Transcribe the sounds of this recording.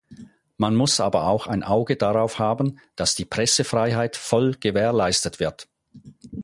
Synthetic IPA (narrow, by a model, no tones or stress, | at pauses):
manmʊsʔaːbɐaʊxaɪnʔaʊɡədaʁaʊfhaːbən̩d̥asd̥iːpʁ̥ɛsəfʁ̥aɪɦaɪtfɔlɡ̥əveːɐlaɪstətv̥ɪɐt